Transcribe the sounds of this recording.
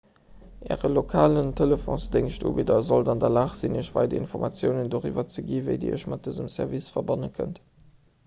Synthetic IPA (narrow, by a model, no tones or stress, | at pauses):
ʔɛ̰ːʁəlokʰaːləntʰeləfõ̰sdəŋʃtṵːbidɐzoldɑndɐlaːχz̥inəʃvɑ̰ɪdɐḭnfoʁmɑt͡sjəʊnəndoːʁḭvɐt͡səɡiːvə̰ɪdḭːə̰ʃmɑt̚d̥əzəmsɛʁvisfɐbɑnəkʰə̰nt